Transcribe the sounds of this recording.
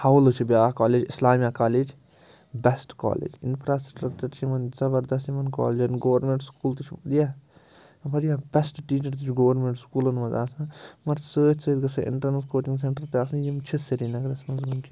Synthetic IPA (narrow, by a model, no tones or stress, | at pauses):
hɐwlɨt͡ʃʰibiaːkaːleːd͡ʒɪslaːmijaːkaːleːd͡ʒ | bɛsʈka̰ːlḛːd͡ʒɪ̰npʰɾaːsʈɾɐkt͡ʃɐɾt͡ʃʰimɐnzɐbɐɾd̪ɐs̬t̪imɐnka̰ːleːd͡ʒɐnɡoːʋɐɾnmeɳʈskuːlt̪ut͡ʃʰibɐd̪ijaː | bɐɾijaːbɛsʈʈiːt͡ʃɐɾt̪ut͡ʃʰɡoʋɐɾmeɳʈskuːlɐnmɐzaːsãːmɐɾsəːt͡ʃʰsəːd̪ɡɐsɐʔɪ̰ɳʈɐɾnɐskoːt͡ʃĩŋɡs̬eɳʈɐɾt̪eaːsɐ̃jimt͡ʃʰiseɾinɐɡɾɐsmɐnzɡunkʰi